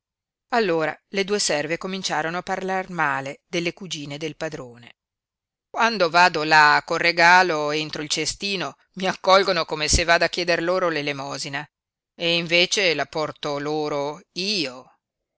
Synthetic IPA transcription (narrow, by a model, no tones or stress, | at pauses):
alːoːɾa̰led̪uːesɛrvekomint͡ʃaːɾonoapːarlarmaːled̪elːekud͡ʒiːned̪elpad̪ɾoːne | kwand̪ovaːd̪olakːolreɡaːloent̪ɾoilt͡ʃest̪iːno | miakːɔlɡonokomesevaːd̪akjɛːd̪erloːɾolelemɔːzina | eiɱveːt͡ʃelapɔrt̪oloːɾoiːo